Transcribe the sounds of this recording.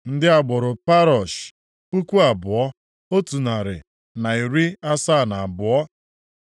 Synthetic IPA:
n̩˦dɪ˦a˨ɡ͡bɔ˨ɾʊ˨pa˦ɾɔ˨ʃ | pu˦kʷu˦a˨bʊ˨ɔ˦ | o˦tu˨na˨ɾɪ̰˨ | na˨i˨ɾi˦a˦sa˦˨na˨bʊ˨ɔ˦

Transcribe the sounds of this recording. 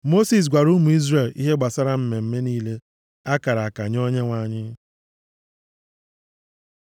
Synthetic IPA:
mo˦si˨s̬ɡʷa˨ɾu˦mu˨i˦zɾe˨lḭ˦ɦe˦ɡ͡ba˨sa˦ɾa˦m̩˨me˨m̩˦me˦niː˦le˦ | a˦ka˨ɾa˨a˨ka˨ɲ˦o˦ɲe˦ŋʷa˨˦˨ɲɪ˦

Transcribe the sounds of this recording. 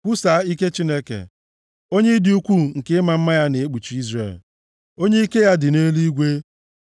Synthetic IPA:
kʷu˦sa˨˦i˦ke˦t͡ʃi˦ne˦kḛ˨ | o˦ɲe˦dɪ˨u˦kʷu˦ŋ̩˨kɪ˦ma˨m̩˦ma˦ja˦ne˨e˦k͡pu˨t͡ʃi˨i˦zre˨l | o˦ɲe˦i˦ke˦ja˦dɪ˨ne˦li˦ɡʷe˦

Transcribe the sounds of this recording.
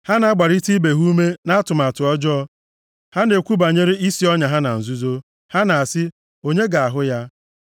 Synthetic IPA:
ha˦na˨a˦ɡ͡ba˨ɾi˦ti˦be˨ɦu˦u˦me˦na˦a˦tʊ˨ma˨tʊ˨ɔ˦d͡ʒɔ˦ɔ˦ | ha˦ne˨kʷu˦ba˨ɲe˦ɾi˦i˦si˦ɔ˦ɲa˨ɦa˦na˨n̩˨zu˦zo˦ | ha˦na˨a˨sɪ˦ | o˦ɲe˦ɡa˨a˨ɦʊ˦ja˦

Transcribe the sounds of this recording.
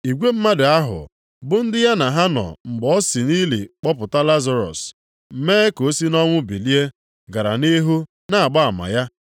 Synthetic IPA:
i˨ɡʷe˦m̩˦ma˦da˨a˦ɦʊ̰˨ | bʊ˦n̩˦dɪ˦ja˦na˨ɦa˦nɔ̰˨ŋ͡m̩˨ɡ͡bɔ˦si˨ni˦lḭ˨k͡pɔ˦pʊ˨ta˦la˦za˨ɾɔ̰˨s | m̩˨˦meː˦ko˨˦si˦nɔ˦ŋʷʊ˦bi˨li˦e˦ | ɡa˨ɾa̰˨ni˦ɦu˦ | na˦˨a˨ɡ͡ba˦a˨ma̰˨ja˦

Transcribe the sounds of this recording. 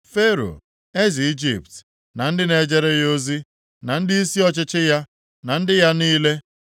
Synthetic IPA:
fe˦ɾo̰˨ | e˦zi˨i˦d͡ʒḭ˨p̚t | na˨n̩˦dɪ˦ne˨d͡ʒe˦ɾe˦jo˦zi˦ | na˨n̩˦dɪ˦i˦si˦ɔ˦t͡ʃɪ˦t͡ʃɪ˦ja˦ | na˨n̩˦dɪ˦ja˦niː˦le˦

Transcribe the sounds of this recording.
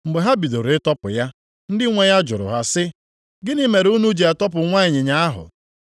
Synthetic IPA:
m̩˨ɡ͡be˨ɦa˦bi˨do˨ɾɪ˦tɔ˦pʊ˨ja˦ | n̩˦dɪ˦ŋʷe˦ja˦d͡ʒʊ̰˨ɾʊ̰˨ɦa˦sɪ˦ | ɡɪ˦ni˦me˨ɾu˦nu˦d͡ʒe˨a˨tɔ˦p̬ʊ˨ŋʷa˦ɪ˨ɲɪ˨ɲa˦a˦ɦʊ̰˨

